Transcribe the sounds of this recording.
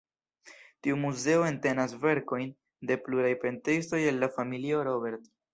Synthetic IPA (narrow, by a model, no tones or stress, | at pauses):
tiumuze̞oe̞nte̞nasve̞ɾko̞jn | de̞pluɾajpe̞ntɾisto̞je̞lːafamilio̞ɾo̞be̞ɾt